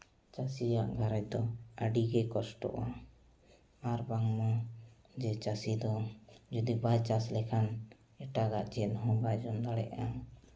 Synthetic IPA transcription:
t͡ʃasijaʔɡʱaɾɛc̚d̪ɔəɖiɡɛkɔsʈɔ̰ʔa | aɾbaŋmɔ | d͡ʒɛt͡ʃasid̪ɔd͡ʒud̪ibat͡ʃaslɛkʰan | ɛʈaɡaʔd͡ʒɛnɔɦɔ̃bad͡ʒɔnd̪aɽɛ̰ʔa

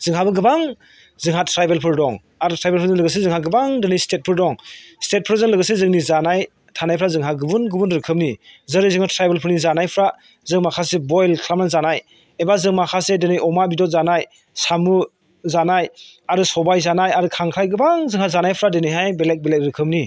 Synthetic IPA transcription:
z̥ɯŋɦabɯɡɯbaŋ | zɯŋɦatʰɾajbelpʰɯɾdɔŋ | aɾutʰɾajbelpʰɯɾzɯŋlɯɡɯs̬ezɯŋɦaɡɯbaŋdenɯjstet̚pʰɯɾdɔŋstet̚pʰɯɾzɯŋlɯɡɯsezɯŋnizanaj | tʰanajpʰɾazɯŋɦaɡɯbunɡɯbunɾɯkʰɯm̚nizɯɾɯzɯŋatʰɾajbelpʰɯɾnizanajpʰɾa | zɯŋmakʰasebɔjlkʰɾamnanzanaj | ebazɯŋmakʰasedenɯjɔmabidɔt̚zanaj | samu | zanajaɾusɔbajzanajaɾɯkʰaŋkʰɾajɡɯbaŋzɯŋhazanajpʰɾadenɯjɦajbelek̚belek̚ɾɯkʰɯm̚ni

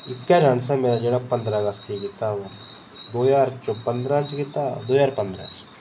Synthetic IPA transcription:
ɪkːad͡ʒãːns̬ãmeːɾad͡ʒeɽapɐ̃nd̪ɾaɡɐst̪ʰjeɡit̪aʋɐɾ | d̪oːjaːɾt͡ʃopɐ̃nd̪ɾãt͡ʃɡit̪ad̪oːjaːɾpɐ̃nd̪ɾa̰ːt͡ʃ

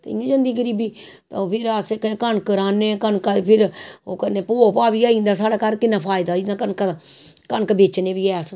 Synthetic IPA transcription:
t̪ːɪ̰ãːd͡ʒə̃nd̪iːɡəɾiːbiːt̪apʰɪɾaseːkːkəɳkəɾaːneːkənkapʰɪɾoːkəneːpoːpaːbiːaːĩːnd̪aːs̬aːɽaːkəɾkɪnaːpʰaːɪd̪aːɪd̪ãːkənka | kənkbeːt͡ʃnẽːbiːɛːs

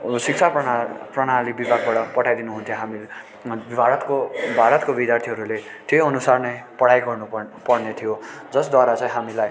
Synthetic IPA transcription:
sik̚t͡sʰaaprʌɽ̃alibibʱaɡ̚baɽʌpʌʈʰajd̪inuɦũnt̪ʰjõɦami | bibʱaɾʌt̪kobʱaɾʌt̪kobid̪jart̪ʰiɦʌɾulet̪ejʌnusarnʌjpʌɽajɡʌrnupʌrnet̪ʰijod͡zʌsd̪waɾat͡sãĩɦamilaj

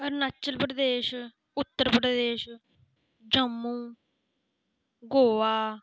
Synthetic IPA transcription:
əɾnaːt͡ʃːəlpɾəd̪eːʃ | ʊt̪ːəɾpɾəd̪eːʃ | d͡ʒəmːũː | ɡoːʋaː

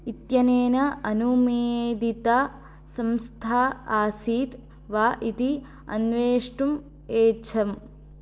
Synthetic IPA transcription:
it̪jɐneːnɐɐnumeːd̪it̪a | sɐmst̪ʰaːaːsiːt̪ | ʋaːʔit̪i | ɐ̰nʋeːʂʈum | eːt͡ʃʰɐm

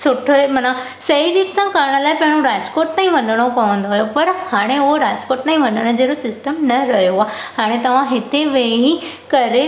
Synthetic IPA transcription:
sʊʈʰəmɐna | sɐiɾiːksãkaːɾɽ̃əlaːɪpɐ̃ɦɪ̃ɽ̃oɾaːd͡ʑkoːʈnaːĩʋɐnəɽ̃opɐʋə̃nd̪oɦjopɐɾhaːɽ̃eʊɦoɾaːd͡ʑkoːʈnaːĩʋɐ̃nəɽ̃əd͡ʑeːɾosɪsʈəmnɐɾɐɦjoaːhaːɽ̃et̪ɐʋ̤ãɦɪt̪eʋeɦi | kɐɾe

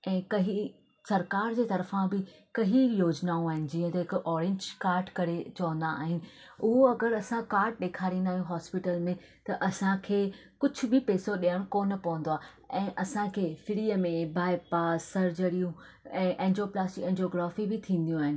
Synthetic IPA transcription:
ɛ̃ːkɐɦi | sɐɾkaːɾd͡ʑeːt̪ɐɾfãbɪ | kɐɦijoːd͡ʑnaːũaːɦɪnɪ̆d͡ʑiːə̃t̪eɦɪkʊʔɔːɾẽːɲd͡ʑkaːɾɖkɐɾet͡ɕɐʋə̃n̆d̪a̰ːɦɪnɪ̆ | ʊɦoɐɡəɾɐsãkaːɾɖ̚ɗeːkʰaːɾĩːnd̪aːɦijũɦɔːspɪʈəlmẽ | t̪ɐʔɐsãkʰeːkʊd͡ʑʱʊ̆bɪpeːsoɗijəɽ̃koːnɐpɐʋə̃n̆d̪oaː | ɛ̃ːʔɐsãkʰeːfɪɽiːəmẽbʱaːɪpaːsɐɾd͡ʑəɾijũ | ɛ̃ːʔɛ̃ːnd͡ʑoːplaːsʈɪkɛ̃ːnd͡ʑoːɡɾaːfibɪt̪ʰĩːn̆d̪ijũaːɦɪnɪ

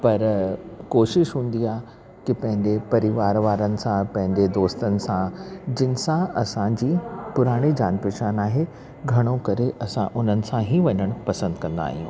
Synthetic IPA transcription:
pɐɾkoːʃɪʃɦũːn̆d̪iaː | kɪpɐ̃ɦɪ̃ɲd͡ʑepɐɾɪʋaːɾʋaːɾənɪ̆sãpɐ̃ɦɪ̃ɲd͡ʑed̪oːst̪ənɪ̆sãd͡ʑɪnɪ̆sãɐsãd͡ʑiːpʊɾaːɽ̃id͡ʑaːnpɪʃʰaːnaːɦe | ɡʱɐɽ̃õkɐɾeʔɐsã̰ʔʊn̤ənɪ̆sãɦiʋɐɲəɽ̃pɐsə̃nd̪kɐ̃nd̪a̰ːɦijṵ̃ː

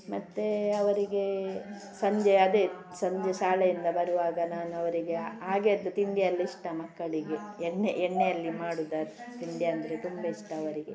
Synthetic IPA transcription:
mɐt̪ːeɐʋɐɾiɡe̞ | sɐɲd͡ʒeɐd̪e | sɐɲd͡ʒesaːlɐjind̪ɐbɐɾuʋaːɡɐnaːnuɐʋɐɾiɡe̞aːɡeːd̪ːut̪iɳɖjɐɐlːiiʂʈɐmɐkːɐɭiɡe̞ːɳːeʔɛɳːejɐlːimaːɽud̪aɾt̪iɳɖjɐɐnd̪ɐɾet̪umbɐiʂʈɐɐʋɐɾiɡe

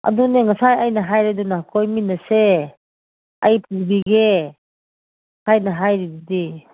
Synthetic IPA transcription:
ɐ̰duneŋɐsajajnɐɦajɾidunakʰojminːɐse | ɐ̰jpʰuɾbiɡe | kʰajnɐɦajɾidudi

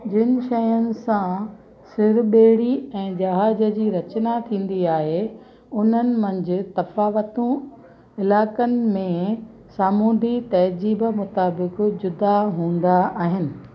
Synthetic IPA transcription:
d͡ʑɪnɪ̆ʃɐjənɪ̆sã | sɪɾɓeːɽiɛ̃ːd͡ʑɐɦaːd͡ʑəd͡ʑiːɾɐt͡ɕnat̪ʰĩːn̆d̪iaːɦe | ʊn̤ənɪ̆mɐ̃ɲd͡ʑʊ̆t̪ɐfaːʋət̪ũ | ɪlaːkənɪ̆mẽ | saːmuːd̪it̪ɐɦd͡ʑiːbəmʊt̪aːbɪkd͡ʑʊd̪aɦũːn̆d̪aaːɦɪnɪ̆

